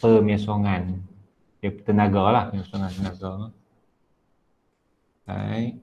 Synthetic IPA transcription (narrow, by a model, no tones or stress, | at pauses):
pəːmiəsuŋan | it̪ɨnaɡɔlaisuŋat̪inaɡɔn | a̰j